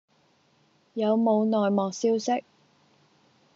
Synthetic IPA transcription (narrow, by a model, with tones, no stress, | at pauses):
jɐ˨˧wmo˨˧wnɔː˨jmɔː˨ksiː˥wsɪ˥k̚